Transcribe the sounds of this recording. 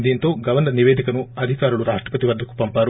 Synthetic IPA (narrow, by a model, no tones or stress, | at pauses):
nd̪iːnt̪oːɡɐʋɐnd̪ɐniʋeːd̪ʱikɐnuɐd̪ʱikaːɾuɭuɾaːʂʈɾɐpɐt̪iʋɐd̪ːɐkːu̥pɐmpaːɾu